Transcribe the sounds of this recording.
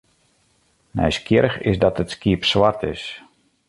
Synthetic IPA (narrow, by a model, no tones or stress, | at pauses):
nɛ̰jskjɪɾəxɪ̰sdɔtətskiəpsʋartʰɪ̰s